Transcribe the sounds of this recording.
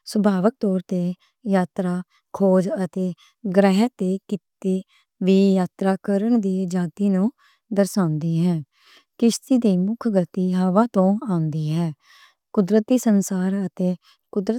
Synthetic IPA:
səbʱaːʋək̚t̪ɔːɾt̪eː | jaːt̪ɾaː | kʰoːd͡ʒət̪eː | ɡɾɛːɦɛt̪eːkɪt̪eː | ʋiːjaːt̪ɾaːkəɾəɳd̪iːd͡ʒaːt̪iːnũː | d̪əɾsãːnd̪iːɦɛ̃ː | kɪʃt̪iːd̪iːmʊkʰɡət̪iːɦaʋaːt̪õːãːnd̪iːɦɛː | kʊd̪ɾət̪ːiːsənsaːɾət̪eː | kʊd̪ɾə

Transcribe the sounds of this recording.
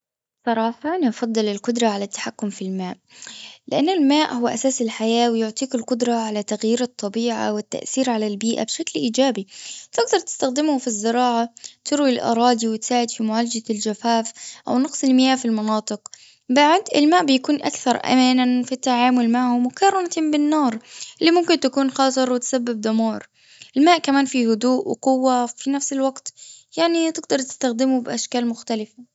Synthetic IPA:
sˤɑɾˤɑːħɑnʔɑfɑd̪ˤːɨlɪlqʊd̪ɾˤɑʕalat̪ːḁħakːʊmfilmaːʔ | lɪʔanːɪlmaːʔhʊwːaʔasaːsɪlħajaːwɪjʊʕt̪ˤiːkɪlqʊd̪ɾˤɑʕalat̪aɣjiːɾɑt̪ˤːɑbiːʕa̰wɪt̪ːa̰ʔθiːɾʕalalbiːʔa̰bʃaklʔiːd͡ʒaːbit̪ɪɡd̪ɑɾˤt̪ɪ̥st̪axd̪ɪmhʊfizːɪɾɑːʕat̪ɪɾwilʔɑ̰ɾˤɑːd̪iwɪt̪saːʕɪd̪fimʊʕaːlad͡ʒald͡ʒafaːfʔa̰wnɑqsˤɪlmɪjaːfilmɑnɑːt̪ˤɨq | baʕd̪ʔɪlmaːʔbɪjakuːnʔa̰kθɑɾˤʔa̰maːnafit̪ːaʕaːmʊlmaʕhʊmwɪkɑɾˤɑnat̪bɪnːɑːɾˤʔɪlːimʊmkɪnt̪akuːnxɑːs̬ˤɨɾˤwɪt̪sabːɪb̚d̪ʊmɑːɾˤ | ʔɪlmaːʔkamaːnfihʊd̪uːʔwɪ̰qʊwːafinafsɪlwaɡt̪jaʕnit̪ɪɡ̚d̪ɑɾˤt̪ɪ̥st̪axd̪ɪmʊbɪʔaʃkaːlmʊxt̪alɪfa

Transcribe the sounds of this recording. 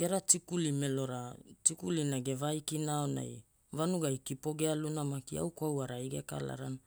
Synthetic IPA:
ɡ̥e̞ɾatikulimelo̞ɾatikulinaɡe̞vajkinaona̰j | vanuɡajkipo̞ɡealunamakia̰wkwawaɾaiɡeka̰la̰ɾana

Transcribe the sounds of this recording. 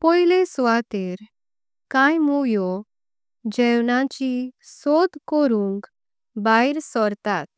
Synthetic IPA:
pɔilesʋat̪eɾ | kãjmujɔ | d͡ʑɛwnãt͡ɕisɔd̪kɔɾũŋk | baiɾsɔɾt̪at̪̚

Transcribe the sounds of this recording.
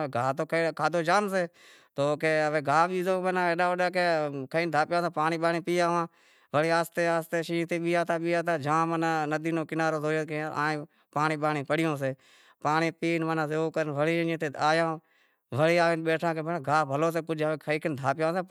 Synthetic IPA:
ɡaːt̪oːkːkʰaːd̪oːd͡ʒaːns̬eː | t̪oːkeːəʋeːɡʱaːɓiːzoːbənãːeːɗaːʋəɗaːkeːkʰəiːnd̪ʱaːpjãːsẽːpaːɳiːɓaːnĩːpiːaːʋãː | ʋəɽeːaːst̪eːaːst̪eːʃiːt̪eːɓiːaːt̪ʰaːɓiːaːt̪ʰaːd͡ʒãːmənãːnəd̪iːnõːkɪnaːɾoːzoːjoːkẽːa̰ːẽː | paːniːɓaːɳĩːpəɽɪjõːs̬eː | paːɳiːpiːnʋənãːseoːkəɾnʋəɽiːnːt̪eːaːjãː | ʋəɽiːaːʋeːnɓeːʈʰãːkeːbənãːɡʱaːbʱəloːs̬eːkʊd͡ʒəʋeːkʰəiːkənd̪ʱaːpɪjãːseː

